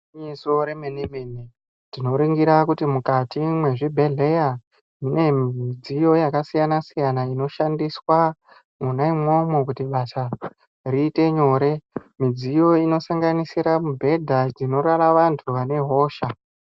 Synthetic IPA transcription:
ɲiso̞ɾemenemeni | tino̞ɾiŋɡiɾakutimukatimwe̞ʐibʱe̞ɮe̞ja | mine̞miid͡zijo̞jakasijanasijanaino̞ʃandiswa | munaimwo̞mekutiɓasa | riːte̞ɲo̞ɾe̞mid͡zijo̞ino̞saŋɡanisiɾamubʱe̞dʱad͡zino̞ɾaɾaʋantʰuʋane̞ɦo̞ːʃa

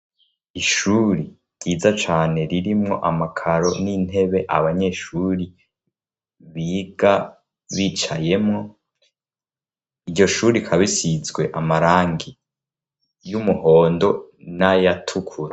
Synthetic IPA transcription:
iʃuɾi | ɡiːzat͡ʃaːne̞ɾiɾimŋo̞̰ʔamakʰaɾo̞nin̥he̞βe̞ʔa̰βaɲe̞ʃuɾi | βiːɡa | βiːt͡ʃaje̞mŋo̞ | iɾɟo̞ʃuɾikʰaβisizɡwe̞ʔamaɾaːŋɡi | jumuho̞ːndo̞najatʰukʰuɾa

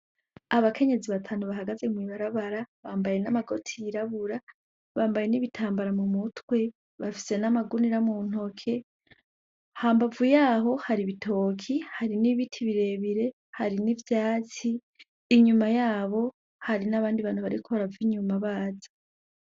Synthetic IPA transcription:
aβakʰe̞ɲe̞ziβatʰaːnuβaɦaɡaze̞mwiβaɾaβaɾaβaːmbaje̞namaɡo̞tʰiiɾaβuɾa | βaːmbaje̞niβitʰaːmbaɾamumutwe̞ | βafi̥se̞namaɡuniɾamun̥o̞kʰe̞ | haːmbavujaːɦo̞haɾiβitʰo̞ːkʰihaɾiniβitʰiβiɾe̞βiɾe̞ | haɾinivjaːt͡siː | ɲumajaːβo̞ | haɾinaβaːndiβaːnuβaɾikʰoɾaviɲumaβaːzḁ

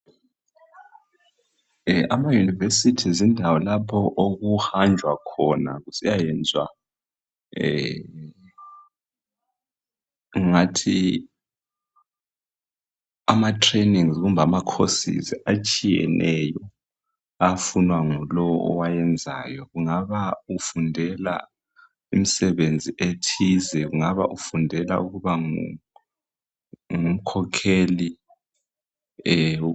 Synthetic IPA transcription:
amajunivesitʰizindʱawɔlapʰɔʔoɣuhand͡ʒʱwakʰɔna̰ɣusijajɛnd͡zʱwa̰ | ŋŋatʰi | amatʰʼreniŋzɣumbʱamakʰosḭzat͡ʃʼijɛ̰nʔɛjɔ | afunwaŋulɔwɔʔɔwajɛnd͡zʱa̰ːjɔɣuŋaβaufundʱɛla̰ | imisɛβend͡zʱiʔetʰizɛɣuŋaβaʔufundʱɛla̰uɣuβa | ŋum̩kʰɔkʰeli | ɛ

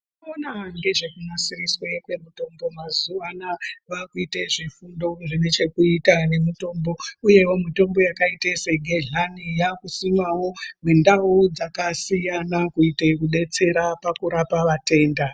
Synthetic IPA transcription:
inonaŋɡe̞ʐe̞kunasiriswekwe̞muto̞mbo̞mazuʋanaʋakuiteʐifundo̞ʐine̞t͡ʃe̞kuitane̞mito̞ːmbo̞uje̞wo̞mito̞mbo̞jakaitese̞ɡʱeɮanijakusimawo̞mendauud͡zakasijanakuitekuɗe̞t͡se̞ɾapakuɾapaʋate̞ːnda

